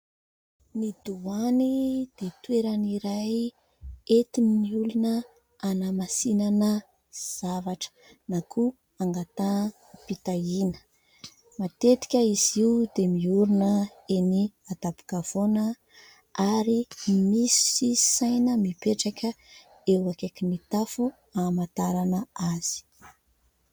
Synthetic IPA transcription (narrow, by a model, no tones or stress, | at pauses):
nid̪uanid̪̥et̪weɾaniɾaj | et̪inniulunə | anamasinanə | z̥avaʈ͡ʂə̥ | nakʰu | aŋɡat̪a | pit̪ainə̥ | mat̪et̪i̥kʲəiziud̪emiuɾunə | eniad̪apu̥kav̥onə | aɾimisi̥i̥sajnəmipeʈ͡ʂakʲə | ewakekinit̪afu | amat̪aɾanəaz̥i̥